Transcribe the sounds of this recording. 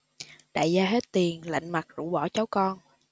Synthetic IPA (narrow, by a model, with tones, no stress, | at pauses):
ɗa̰ː˧˨jzaː˧ɦe˦˥t̚t̪i˨˩ənla̰˧˨jŋ̟ma˨˩t̚zṵ˧˩ɓɔ˧˩t͡ɕa˨˦wkɔ˧n